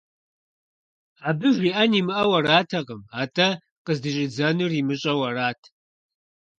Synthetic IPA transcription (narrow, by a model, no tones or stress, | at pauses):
aːbɨʒʷiʔɐnimɨʔɐwɐraːtʰɐqʼəmaːtʰʼɐ | qʼəzdɨɕʼɪd͡zɐnɨrimɨɕʼɐwɐraːtʰ